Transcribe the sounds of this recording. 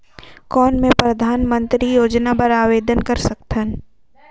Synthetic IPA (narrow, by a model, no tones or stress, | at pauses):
kɔːnmẽpɾɐd̪ʱaːnmə̃nt̪ɾijoːd͡ʒnapɐɾaːʋeːd̪ənkɐɾsɐk̚t̪ʰən